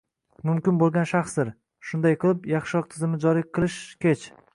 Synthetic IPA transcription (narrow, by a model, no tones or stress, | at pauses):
mʊmkʲɪnbolˠɡʲanʃɑχsd̪ɪɾ | ʃʊnd̪ajqʰɨlˠɪpjɑχʃɒq̚t̪ʰɪzɪmɪd͡ʒɒɾiqʰɨlˠɪʃkʲʰet͡ʃ